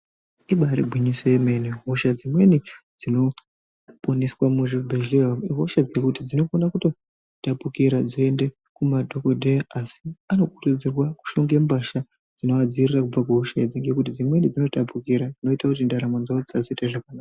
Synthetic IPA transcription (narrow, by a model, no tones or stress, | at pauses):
iɓaɾibʱwiɲiswejemeniɦoʃad͡zimwe̞nid͡zino̞ | pʼoniswamuʐibʱeʒleɦamiɦoʃad͡zekutid͡zino̞konakuto̞ | tapukiɾad͡ziende̞ | kumadʱokodʱeaasiano̞kurud͡zirwaku̥ʃoŋɡembaʃa | d͡zino̞ad͡zirirakub͡vakuɦuʃaed͡ziŋɡe̞kutid͡zimwe̞nid͡zino̞tapukiɾad͡zino̞itakut̬indaɾamwanzaod͡zit͡sad͡zoitaʐakanaːaa